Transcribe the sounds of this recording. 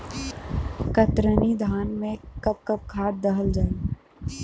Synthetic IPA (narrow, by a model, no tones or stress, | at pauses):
kɐt̪ɾənid̪ʱaːnmẽkɐp̚kɐp̚kʰaːt̪̚d̪ɐɦəld͡ʒaːi